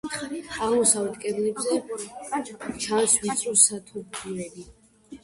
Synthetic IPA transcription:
aʁmɔsavɛt̪ʼkʼɛblɛbzɛ | t͡ʃʰanswit̪sʼɔsat̪ʰuɾtʰiɛli

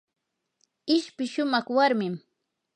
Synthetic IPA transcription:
ɪʃpɪʃʊmɑχwaɾmɪm

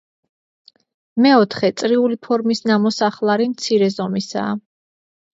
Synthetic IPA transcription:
mɛɔt̪ʰχɛt̪sʼɾiulipʰɔɾmisnamɔsaχlˠaɾimt̪sʰiɾɛzɔmisa̰ː

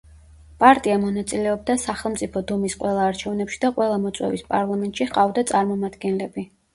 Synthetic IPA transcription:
pʼaɾt̪ʼiamɔnat̪sʼilɛɔb̚d̪asaχɛlˠmt̪sʼipʰɔd̪ɔmisqʼwɛlˠaːɾt͡ʃʰɛvnɛpʃi̥d̪aqʼwɛlˠamɔt̪sʼwɛ̰vispʼaɾlˠamɛnt̪ʼʃiχqʼavd̪at̪sʼaɾmɔmad̪ɡɛnlɛbi

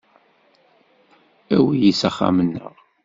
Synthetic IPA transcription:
æwijisæχːa̰mənːə̰ʁ

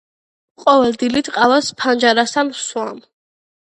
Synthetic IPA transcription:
qʼɔvɛld̪ilit̪ʰqʼalaspʰand͡ʒaɾast̪ʰanswam

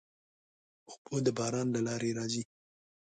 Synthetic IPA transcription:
ʊxpod̪əbɑɾɑnlalɑɾeɾɑzi

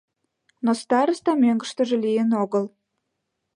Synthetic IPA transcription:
nost̪ɑɾəst̪ɑmøŋɡəʃt̪əʒĕlijənoɣəl

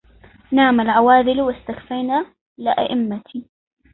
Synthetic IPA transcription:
naːmalʕawaːðɪlwɪst̪axfajna | lɪʔa̰ʔɪmːat̪ʰi

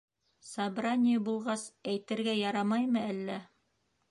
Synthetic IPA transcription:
sɑbranʲɪjəbulˠʁɑsæjt̪ɘ̆ɾɡæjɑɾɑmɑjmɤælːæ

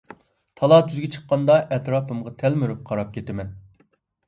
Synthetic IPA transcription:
t̪ʰɑlˠɑt̪ʰyzɡʲɛt͡ʃʰə̥qːɑnd̪ɑʔɛt̪ɾɑːpɨmʁɑt̪ʰɛlmyɾyp̚qʰɑɾɑp̚kʲʰet̪ɪmɛn

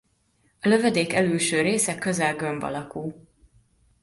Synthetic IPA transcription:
ɒlø̞vɛd̪eːkɛlylʃøːɾeːsɛkø̞zɛlɡømbɒ̰lɒkul

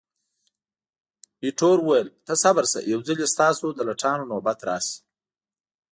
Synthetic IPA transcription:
biʈoːɾwuwajelt̪əsabəɾsa̰jawzəlest̪ɑːsod̪əlaʈʰɑːnonobat̪ɾɑːsi̥

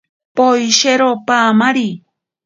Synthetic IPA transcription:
pojʃeɾopamaɾi

